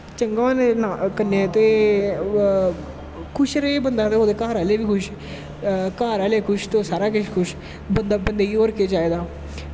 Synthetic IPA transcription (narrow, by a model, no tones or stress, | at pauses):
t͡ʃəŋɡanenakənːet̪oː | kʰʊʃɾeeːbənd̪aːt̪eoːd̪eːkaːɾaːleːʋiːkʰʊʃ | kaːɾaːleːkʰʊʃt̪oːsaːɾaːkɪʃkʰʊʃ | bənd̪aːbənd̪eːioːɾkeːt͡ʃaːeːd̪aː